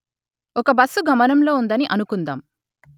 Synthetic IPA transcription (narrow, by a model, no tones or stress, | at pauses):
ɔkɐbɐsːuɡʱɐmɐnɐmlo̞ːund̪ɐniʔɐnukund̪aːm